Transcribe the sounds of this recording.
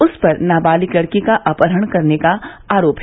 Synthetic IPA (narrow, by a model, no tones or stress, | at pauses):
ʊspɐɾnaːbaːliklɐɽkikaʔaːpəɾəɽ̃kɐɾnekaaːɾoːp